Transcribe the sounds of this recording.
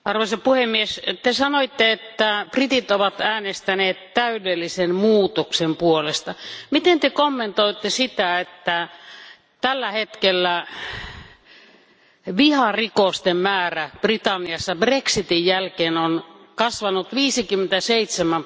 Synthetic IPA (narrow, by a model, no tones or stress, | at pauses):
ɑrʋoisɑpuhemːiest̪esɑnoit̪ːeet̪ːæprit̪it̪oʋɑt̪æːnest̪æneːt̪tæydelːisenmuːt̪oksempuolest̪ɑmit̪ent̪ekomːent̪oit̪ːesit̪æet̪ːæ | t̪ælːæhet̪kelːæ | ʋihɑrikost̪emmæːræb̥rit̪ɑnːiɑsːɑbreksit̪ijjælkeːnonkɑsʋɑnut̪ʋiːsikymːent̪æseit̪semæm